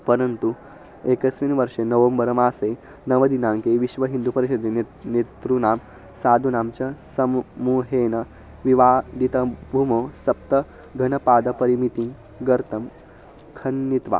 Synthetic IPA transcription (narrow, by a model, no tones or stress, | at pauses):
pɐɾɐnt̪u | ekɐsʋinʋɐɾʂenɐʋɐmbɐɾɐmaːse | nɐʋɐd̪inaŋkeʋiʃʋɐɦind̪upɐɾiɕɐd̪ʱen | net̪ɾunaːm | saːd̪ʱunaːmt͡ɕɐsɐmmuːɦeːnɐ | ʋiʋaːd̪it̪ɐbʱumoːsɐp̚t̪ɐ | ɡʱɐnɐpaːd̪ɐpɐɾimit̪iŋ | ɡɐɾt̪ɐm | kʰɐnːit̪ʋa̰